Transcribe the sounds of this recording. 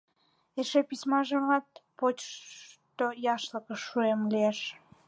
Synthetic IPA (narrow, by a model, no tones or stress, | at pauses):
eʃepismɑʒəmɑt̪̚pot͡ɕʃt̪ojɑʃləkəʃːuemlieʃ